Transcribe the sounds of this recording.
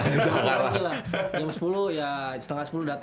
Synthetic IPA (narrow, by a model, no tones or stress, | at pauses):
aŋaaɡilajaŋsə̥puluhjasə̥t̪əŋasə̥puludat̪